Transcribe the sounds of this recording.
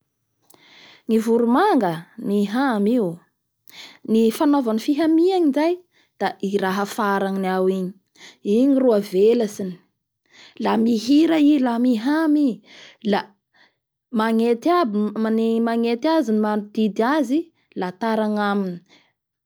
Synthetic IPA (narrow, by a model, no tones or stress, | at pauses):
ŋivuɾumaŋɡəmiɦamiw | nifanovanifiɦamiaɲinzaj | d̪̥aiɾaɦəfaɾaŋniawiɲi | iɲiruavelasini̥ | lamiɦiɾailamiɦamila | maŋet̪abanemaŋet̪iazinimanud̪̥id̪iazi | lat̪aɾaŋamini̥